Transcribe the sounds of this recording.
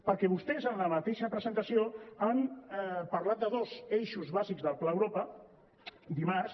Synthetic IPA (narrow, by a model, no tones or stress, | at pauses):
pəɾkɛβust̪ɛzənləmət̪eʃəpɾəzənt̪əsioampaɾlat̪̚d̪əðozeʃuzβazikzðəlˠplaːwɾopə | d̪imaɾs